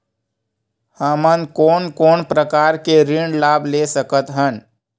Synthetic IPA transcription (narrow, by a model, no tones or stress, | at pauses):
hamənkoːnkoːnpɾəkaːɾkeɾɪɳlaːblesəkət̪ɦən